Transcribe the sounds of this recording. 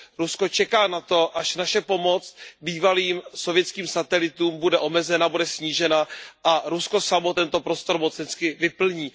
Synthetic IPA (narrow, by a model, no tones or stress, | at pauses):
ɾusko̞t͡ʃɛkaːnat̪o̞ʔaʃnaʃɛpomo̞t͡sbiːvaliːmsovjɛt͡skiːmsat̪ɛlɪt̪uːmbudɛʔo̞mɛzɛnabudɛsɲiːʒɛnaʔaɾusko̞samo̞t̪ɛnt̪o̞pɾo̞st̪o̞ɾmot͡sɛnskɪvɪpl̩ɲiː